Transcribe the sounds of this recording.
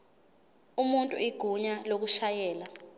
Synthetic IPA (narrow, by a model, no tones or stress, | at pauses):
umuntʼuiɡ̥ʱuɲalok̬uʃajɛːla